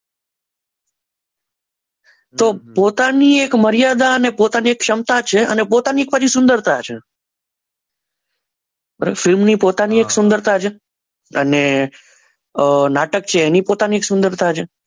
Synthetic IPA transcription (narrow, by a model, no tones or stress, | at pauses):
t̪opot̪aniekməɾijad̪aənepot̪aniekʃəmt̪at͡ʃʰeə̰nepot̪aniek̚pat͡ʃʰisʊ̃nd̪əɾt̪at͡ʃʰe | bəɾefɪlmnipot̪anieksʊ̃nd̪əɾt̪at͡ʃʰe | əne | naʈək̚t͡ʃʰeːnipot̪anieksʊ̃nd̪əɾt̪ʰat͡ʃʰe